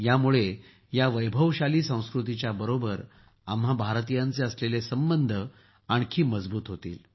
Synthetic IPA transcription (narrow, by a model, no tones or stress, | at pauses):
jamuɭe | jaʋəjbʱəʋɕaliːsə̃w̃skɾut̪it͡ɕjabəɾobəɾ | amɦabʱaɾt̪ijãnt͡seəslelesəmbənd̪ʱə | aɳkʰiːməd͡zbuːt̪ɦot̪ḭːl